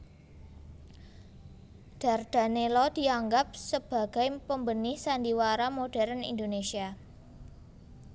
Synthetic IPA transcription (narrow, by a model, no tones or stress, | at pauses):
d̥a̤rd̥a̤nelɔd̥i̤aŋɡap̚səb̥a̤ɡ̥a̤jpəmbənɪhsandiwaɾamoɖ̥ɛ̤ɾənḭnd̪onesia